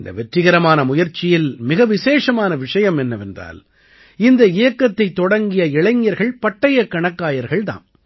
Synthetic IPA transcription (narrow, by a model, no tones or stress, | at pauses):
ɪnd̪ɐ̰ʋɛʈrɪɣɐɾɐmaːnɐmʊjɐɾt͡ʃɪjɪlmɪɣɐʋɪseːʂɐmaːnɐʋɪʂɐjɐmɛnːɐʋɛndra̰ːl | ɪnd̪ɐɪjɐkːɐt̪ːɐɪt̪ːɔɽɐŋɡɪjɐɪɭɐŋjɐɾɣɐɭpɐʈːɐjɐkːɐɳɐkːaːjɐɾɣɐɭt̪a̰ːm